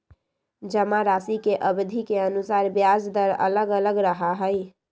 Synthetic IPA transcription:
d͡ʒəmaɾasikeʔəbd̪ʱikeənusaɾbjad͡ʒd̪əɾə̰ləɡələɡɾəɦaɦəj

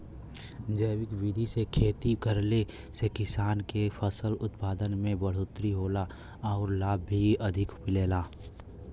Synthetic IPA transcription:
d͡ʒəːʋɪkʋid̪ʱisekʰeːt̪ikəɾle | sekɪsaːnkefʰəsəlʊt̪paːd̪ənmẽbəɽ̤ot̪ɾiɦoːla | ɔːɾlaːbːiɐd̪ʱɪkpɪleːlaː

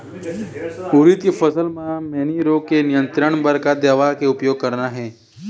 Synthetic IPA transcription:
uɾit̪kefəsəlmãmɛːniɾoːkenɪjə̃nt̪ɾəɽ̃bəɾkad̪eːʋakeʊpjoːɡ̚kəɾnaɦɛː

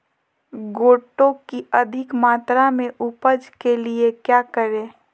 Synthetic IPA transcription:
ɡoːʈõkiəd̪ʱɪkmaːt̪ɾamẽʔʊpəd͡ʒkeliekjaːkəɾẽː

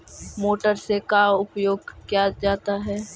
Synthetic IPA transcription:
moːʈəɾsekaʊpjoːɡkjad͡ʒaːt̪aɦɛː

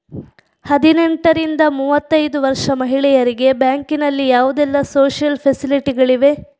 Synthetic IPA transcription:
hɐd̪ineɳʈɐɾind̪ɐmuːʋɐt̪ːɐjd̪uʋɐɾʂɐmɐɦiɭɛjɐɾiɡe̞bjaːŋkinɐlːijaːʋud̪ɛlːɐsoːʂjɐlpʰesiliʈiɡɐɭiʋe̞

